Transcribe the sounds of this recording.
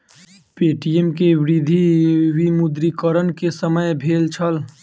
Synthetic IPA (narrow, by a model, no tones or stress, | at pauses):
peːʈijemkeʋɾid̪ʱiwimud̪ɾikəɾənkesəməjbʱeːlt͡ʃʰəl